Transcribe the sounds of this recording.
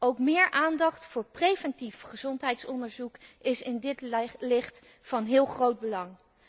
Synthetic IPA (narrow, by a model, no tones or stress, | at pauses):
owkmɪːɹʔaːndɑχtfʊːɹprejvɛntifχəzɔntɦɛjtsɔndəɹzukɪsɪndɪtlɪχt | fɑnɦɪːlˠχrowd̚bəlɑŋ